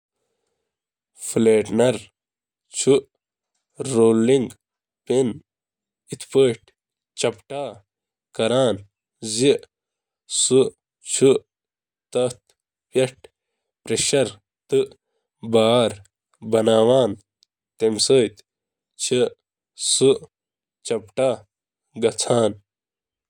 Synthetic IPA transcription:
fleːʈnɐɾ | t͡ʃʰu | ɾoːliŋɡ | pen | it̪ʰpəʈ | t͡ɕʰɐpʈaː | kɐɾaːn | zi | su | t͡ʃʰu | t̪ɐt̪ | pjɐʈ | pɾeɕɐɾ | t̪ɨʔ | baːɾ | bɐnaːʋaːn | t̪emsəjt̪ | t͡ʃʰi | suʔ | t͡ʃɐpʈaː | ɡɐt͡sʰaːn

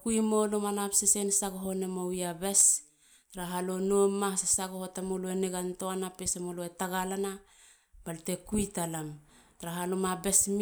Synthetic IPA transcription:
kujmolomanapsesensaɡoɦo̞nemowjabes | taɾaɦalonomasesaɡohotamoloeneɡantoanapesemoloetaɡalana | b̥alte̞kujtalam | taɾaɦalomabe̞sm

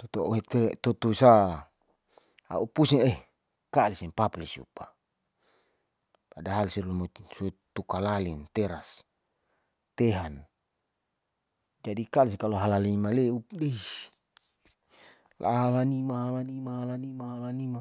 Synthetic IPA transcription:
t̪ot̪ooet̪et̪ot̪uisa | a̰upusiŋe | kalisinpaplisṵpa̰ | padaɦalsilumosut̪ukalalint̪ɛɾas | t̪eɦan | d͡ʒadikaliskaloɦalalimaleudei | lʔa̰ɦalanimaɦalanimahalanimaɦalanima

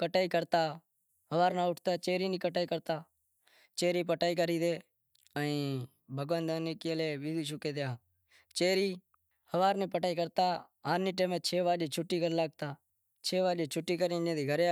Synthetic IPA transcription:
kəʈaːiːkəɾt̪aː | ɦəʋaːɾnaːʊʈʰt̪aːt͡ʃeːɾiːniːkəʈaːiːkəɾt̪aː | t͡ʃeːɾiːp̬əʈaːiːk̬əɾiːd̪eː | əĩː | bʱəɡʋənd̪aːneːkɪleːʋiːd̪iːt͡ʃʊkeːd̪jaː | t͡ʃeːɾiː | həʋaːɾnẽːpəʈaːiːk̬əɾt̪aː | aːniːʈẽːmẽːt͡ʃʰeːʋaːleːt͡ʃʰʊʈːiːɡʱəɾlaːɡ̚t̪aː | t͡ʃʰeːʋaːleːt͡ʃʰʊʈːiːkəɾĩːd͡ʒẽːd̪iːɡʱəɾe

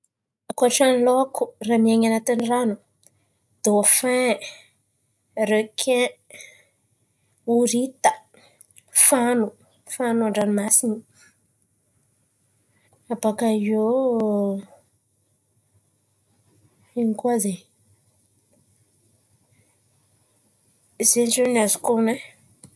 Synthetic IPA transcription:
akaʈ͡ʂanilokʰuramiaŋanat̪iniranu | d̪̥oafɛ̃ | rekʰẽ | uɾit̪ə̥ | fanu | fanuaɳɖ͡ʐanimasini | abakaio | inikuaze | zenʈ͡ʂenazukune

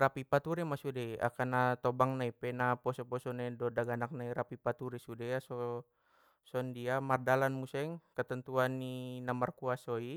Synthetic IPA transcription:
rapipat̪uɾɛmasudɛja̰kanat̪ɔbaŋnaipɛnapɔsɔpɔsɔnaidɔdaɡanak̚naiɾapipat̪uɾisudɛjasɔ | sɔndiamardalanmusɛŋkət̪ənt̪uanːinamarkuasɔi

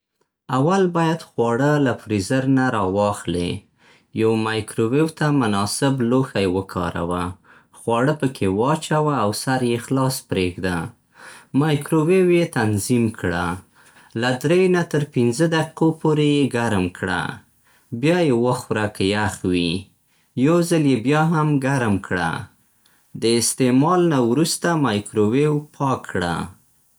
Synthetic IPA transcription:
awalbɑjad̪xwɑɽəlafɾizəɾnaɾɑwɑxlḛ | jawmajkɾowewt̪amʊnɑsɪbloxajewəkʰɑ̰ɾa̰wa | xwɑɽəpəkʰewɑt͡ʃawaːwsaɾjexlɑspɾeɡd̪a | mɑjkɾowewjet̪anzimkɽa | lad̪ɾejnat̪əɾpinzəd̪aqi̥kopoɾejeɡaɾmkɽa̰ | bjɑjewəxwɾakjaxwi | jawzaljebjɑɦamɡaɾmkʰɽa̰ | d̪əɪst̪emɑlnawɾust̪amɑjkɾowewpʰɑkʰɽa̰

